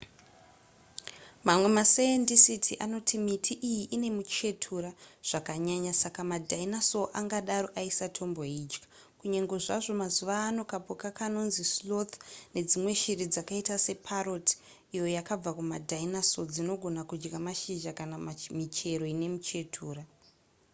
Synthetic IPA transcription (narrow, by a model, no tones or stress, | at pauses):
mamwe̞maseendisitʰiʔano̞tʰimitʰiʔijiʔine̞mut͡ʃe̞tʰuɾaʐ̥akaɲaɲasakamadainaso̞ʔaŋɡaɗaɾo̞ʔaisatʰo̞mbo̞ɦiːd͡ʒkḁ | kuɲeŋɡo̞ʐaʐo̞mazuʋaːno̞kapokakano̞nzislot̪ne̞d͡zimwe̞ʃiɾid͡zakaitase̞pʰaɾoti̥ | ijo̞jakab͡vakumadʱainaso̞d͡zino̞ɡʱo̞nakud͡ʒɡamaʃiʒakanamit͡ʃe̞ɾo̞ine̞mut͡ʃe̞tʰuːɾa